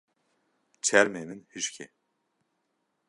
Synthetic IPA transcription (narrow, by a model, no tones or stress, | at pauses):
t͡ʃʰɛɾmeminhiʃcʲʰɛ̰